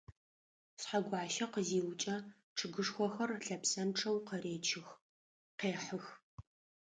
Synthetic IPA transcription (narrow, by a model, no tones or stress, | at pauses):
sħaɡʷɑːʃɐqəziːwt͡ʃʼɐ | ʈ͡ʂʰɨɡɨʂxʷɔxɐrɬɐpsɐmʈ͡ʂʼɐwqɐɾeːt͡ʃʰɪx | qeːħəx